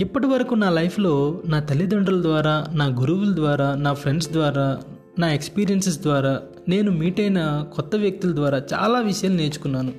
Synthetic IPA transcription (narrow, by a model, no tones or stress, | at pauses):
ipːɐʈiʋɐɾɐkunaːlɐjpʰlo̞ːnaːt̪ɐlid̪ɐɳɖɐlɐd̪ʋaːɾaːnaːɡuɾuʋulɐd̪ʋaːɾaːnaːpʰɾe̞ɳɖsd̪ʋaːɾaː | naːe̞kspiːɾijɐnses̬d̪ʋaːɾaː | ne̞ːnumiːʈɐjnɐkɔt̪ːɐʋjɐk̚t̪ilɐd̪ʋaːɾaːt͡ʃa̰ːlaːʋiʂɐjaːluneːt͡ʃu̥kunːaːnu